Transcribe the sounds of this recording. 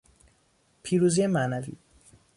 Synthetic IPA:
pʰiːɾuzijemæːnævḭː

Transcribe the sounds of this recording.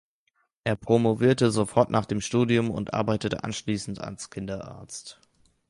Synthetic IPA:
ʔeːɐpʁ̥omoviːɐtəzofɔɐtnʔaːχd̥eːmʃtuːdiʊmʊ̰ntʔa̰ɐbaɪtətə̰ʔa̰nʃliːsn̩tʰa̰lskʰɪndɐʔa̰ɐt͡st

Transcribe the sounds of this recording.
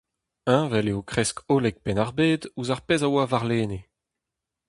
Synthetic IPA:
ɛ̃vɛleokχɛskʰoːlɛk̚pɛnaʁbeːd̪uzaʁpezawavaʁleːne

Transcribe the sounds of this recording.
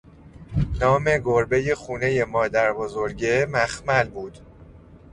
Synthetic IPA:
nɒːme̞ɡoɾbe̞je̞xuːne̞je̞mɒːd̪æɾbozoɾɟemæxmælbuːd̪̥

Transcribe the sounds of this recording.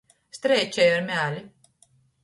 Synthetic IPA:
st̪ɾɛjt͡ʃɛjaɾmʲæːlʲi

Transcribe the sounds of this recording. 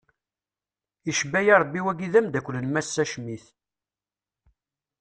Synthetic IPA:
iʃbæjɑɾˤbːiwæɡiðæmd̪ækʷːlənmæsːæʃmiθ

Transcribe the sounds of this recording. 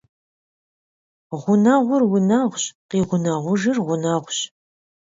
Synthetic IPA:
ʁʷʊnɐʁʷʊrwʊnɐʁʷɕqiːʁʷʊnɐʁʷʊʒɨrʁʷʊnɐʁʷɕ

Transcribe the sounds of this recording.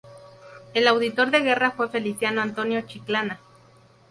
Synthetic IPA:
elawðit̪oɾðeɣerafwefelisjanoant̪onjot͡ʃiklana

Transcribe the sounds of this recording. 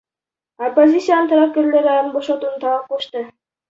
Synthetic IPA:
opːozʲit̪sijanənt̪ʰaɾap̚kʲeɾleɾɑnboʃot̪uːnt̪ʰɑʁɑqʰoʃt̪ə

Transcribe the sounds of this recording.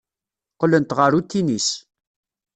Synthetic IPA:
qlənt̪ʁəɾut̪ːinis

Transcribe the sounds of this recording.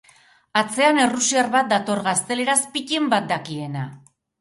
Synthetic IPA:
at͡se̞ane̞rusiarβat̪̚d̪at̪o̞ɾɣast̪e̞le̞ɾaspice̞mbat̪̚d̪akie̞na

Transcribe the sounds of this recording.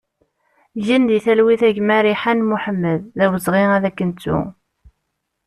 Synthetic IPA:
ʝənd̪iθælwiθæʝmæɾiħanmuħəmːəðːæwəzˤʁiæðækːənt͡sːṵ

